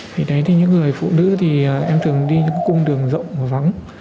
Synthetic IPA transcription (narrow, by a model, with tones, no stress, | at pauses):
t̪ʰi˨˩ɗə˨˦jt̪i˨˩ɲɨ̰˧˥ŋːɨ˨˩əjfṵ˧˨nɨ̰˧˥t̪ʰi˨˩a˨˩ʔɛ˧mt̪ʰɨ˨˩ə˩ŋɗi˧ɲɨ̰˧˥ŋkːkʊ˧ŋ͡mɗɨ˨˩əŋzə̰˧˨wŋ͡mːva˨˦ŋ